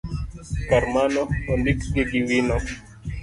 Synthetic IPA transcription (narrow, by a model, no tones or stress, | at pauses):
kaɾmanɔɔndikɡeɡiwinɔ